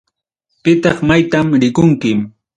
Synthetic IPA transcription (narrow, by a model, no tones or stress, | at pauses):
pɪt̪ɑχmajt̪amɾɪkʊŋkɪm